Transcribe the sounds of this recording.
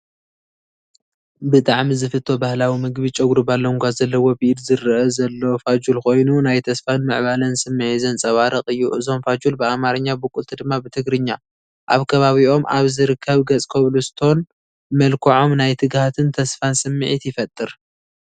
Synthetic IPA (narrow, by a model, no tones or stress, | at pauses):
bɨt̪ʼaʕmizɨfɨt̪ʰːo̞bahlawimɨɡbit͡ʃʼɐɡɾɨbalːoŋɡʷazɐlːɐwobiʔd̪zɨrɨʔɐzɐlːo̞fad͡ʒulko̞jnunajt̪ʰɐsfanmɨʕβalɐnsɨmːʕizɐnt͡sʼɐwaɾɐχʼɨjːuʔɨzo̞mfad͡ʒulbɨamaɾɐɲːabɨkʼult̪ʰid̪ɨmːabɨt̪ʰɨɡɾɨɲːa | ʔa̰βkʰɐβaβiʔo̞mʔa̰βzɨɾɨkʰːɐβɡɐt͡sʼkʰoβlust̪ʰo̞n | mɐlkʰoʕo̞mnajt̪ʰɨɡhat̪ʰɨnt̪ʰɐsfansɨmːɨʕit̪jɪfɐt̪ʼːɨɾ